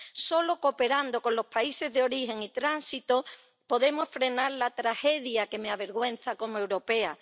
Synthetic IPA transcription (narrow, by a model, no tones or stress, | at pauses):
so̞lo̞ko̞pe̞ɾand̪o̞kõ̞nlo̞spaise̞zðeo̞ɾihe̞ŋit̪ɾansit̪o̞ | po̞ðe̞mo̞sfɾe̞naɾlat̪ɾaxe̞ðjake̞meaβe̞ɾɣwẽ̞nθako̞moe̞wɾo̞pe̞a